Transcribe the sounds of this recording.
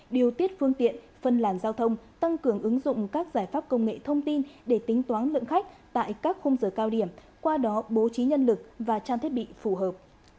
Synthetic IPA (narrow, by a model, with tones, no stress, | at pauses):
ɗi˨˩əwt̪i˦˥ət̚fɨ˧əŋt̪ḭ˧˨ən | fə˨˩nlaː˧˩nzaː˧wt̪ʰə˧wŋ͡mt̪a˧ŋkɨ˨˩əŋʔɨ˨˦ŋzʊ̰˧˨ŋ͡mkaː˦˥k̚zaː˧˩jfaː˦˥p̚kə˧wŋ͡mŋḛ˧˨t̪ʰə˧wŋ͡mt̪i˧nɗe˧˩t̪ï˨˦ŋ̟t̪waː˨˦nlɨ̰˧˨əŋxa˦˥jk̟̚t̪a̰ː˧˨jkaː˦˥k̚xo˧wŋ͡mzəː˧˩kaː˧wɗi˧˩əm | kwaː˧ɗɔ˨˦ɓo˨˦t͡ɕi˨˦ɲə˧nlɨ˨˩k̚vaː˨˩t͡ɕaː˧t̪ʰi˦˥ət̚ɓḭ˧˨fu˧˩ɦəː˨˩p̚